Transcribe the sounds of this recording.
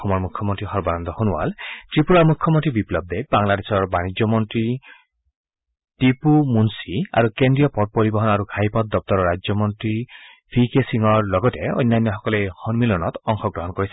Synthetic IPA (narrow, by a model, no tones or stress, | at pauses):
ɔmɔɾmukʰːjɔmɔnt̪ɾiɦɔɾbanɔnd̪ɔhonuwa̰ltɹipuɾɔɹmukʰːjɔmɔnt̪ɾibiplɔb̚d̪ebaŋladesɔɹbanid͡ʒjɔmɔnt̪ɾi | tipumunsia̰ɾukendɾijɔpɔd̚pɔɾibɔɦɔnaɾuɡʱajpɔt̪̚d̪ɔp̚t̪ɔɾɔɾad͡ʒjɔmɔnt̪ɾi | pʰikesiŋɔɹlɔɡɔteo̰jnːajnːjɔɦɔkɔlehɔnmilɔnɔt̪ɔŋxʰɔɡɾɔɦɔnkɔɾis